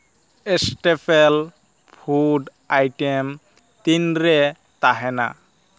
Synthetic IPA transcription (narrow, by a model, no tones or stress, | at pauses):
esʈepʰel | pʰuɖ | ajʈem | t̪inɾe | t̪aɦena̰